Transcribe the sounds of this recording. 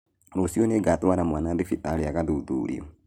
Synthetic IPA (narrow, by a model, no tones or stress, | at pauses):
ɾosiɔneɡatwaɾamwanaðefitaɾeaɣaðuuðṵɾḭɔ̰